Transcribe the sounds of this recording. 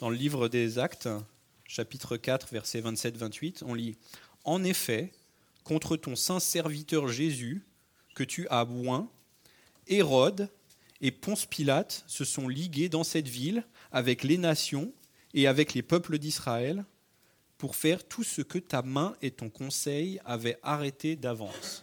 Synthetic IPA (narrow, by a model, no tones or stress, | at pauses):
d̪̥ɑ̃ləlivʁəd̪ezakt̪ | ʃapit̪χəkat̪χvɛʁsɛvɛ̃t̪sɛt̪vɛ̃t̪ɥit̪ʰɔ̃li | ɑ̃nefɛ | kɔ̃t̪χət̪ɔ̃sɛ̃sɛʁvit̪œʁʒezy | kət̪yʔalwɛ̃ | eʁɔd̪ | epɔ̃spilat̪səsɔ̃liɡʲed̪ɑ̃sɛt̪vil | avɛklenasjɔ̃ | eavɛklepœpləd̪isχaɛl | puʁfɛʁt̪ʰusəkət̪amɛ̃ʔet̪ɔ̃kɔ̃sɛjavɛʔaʁet̪ed̪avɑ̰̃s